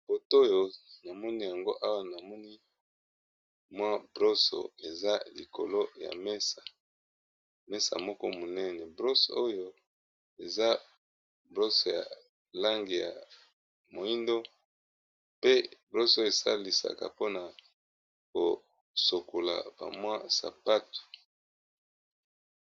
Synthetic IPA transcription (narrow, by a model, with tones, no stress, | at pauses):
bo˨to˦jo˦na˨mɔ˦ni˦ja˨ŋɡo˦ʔa˦wa˦na˨mɔ˦ni˦ | mwa˦bʁo˦so̰˨e˨za˦li˨ko̰˨lo˦ja̰˨mɛ˦sa˨ | mɛ˦sa̰˨mɔ˦kɔ˦mo˨nɛ˦nɛ˨bʁo˦so˨o˦jo˦ | e˨za˦ | bʁo˦so˨ja̰˨ | la˦ŋɡi˨ja̰˨ | mo˨i˦ndo˦ | pe˦bʁo˦so˦e˨sa̰˦li˨sa̰˨ka̰˨po˦na˨ | ko˨ | so˨ko˨la̰˨b̥a̰˨mwa˦sa̰˨pa˦tu̥˨